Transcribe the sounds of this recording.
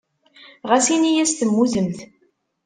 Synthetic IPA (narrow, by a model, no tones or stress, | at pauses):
ʁæsinijæst̪əmːuðəmθ